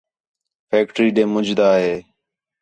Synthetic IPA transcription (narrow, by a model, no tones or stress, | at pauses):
fʰeːk̚ʈɾiːɗẽːmʊd͡ʒd̪aːɦeː